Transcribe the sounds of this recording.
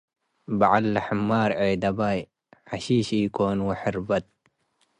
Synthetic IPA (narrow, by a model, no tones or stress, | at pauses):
baʕalːaħamːaːɾˤʕeːd̪ɐbaj | ħaʃiːʃiːkoːnwaħɪɾbɐt̪̚